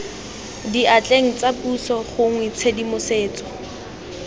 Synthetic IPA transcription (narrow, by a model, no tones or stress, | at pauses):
diʔat͡ɬʼeŋ̩t͡sapusɔχʊŋwɪt͡sʰedimʊseːt͡sɔ̥